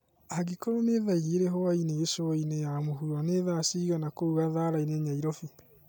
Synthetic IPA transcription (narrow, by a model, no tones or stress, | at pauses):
aɣikoɾoneðaiɾiɾeɦɔaineesoinejamoɦuɾaneːðasiɣanakouɣaðaːɾaineɲaiɾɔfi